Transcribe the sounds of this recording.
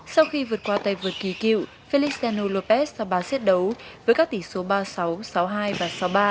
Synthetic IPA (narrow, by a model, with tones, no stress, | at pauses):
sa˧wxi˧vɨ˨˩ət̚kwaː˧t̪aː˧˨jvɨ˨˩ət̚ki˨˩kḭ˧˨w | fi˧li˦˥stɛ˧no˧lo˧˩pɛ˦˥s̚za˨˧ɓaː˨˩sɛ˦˥t̚ɗə˨˦wvəː˨˦jkaː˦˥k̚t̪i˧˩so˨˦ɓaː˧sa˨˦wsa˨˦wɦaː˧jvaː˨˩sa˨˦wɓaː˧